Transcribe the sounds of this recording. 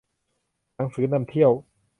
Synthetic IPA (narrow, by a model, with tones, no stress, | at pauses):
na˩˦ŋsɯː˩˦na˧mt̪ʰi˥˩əw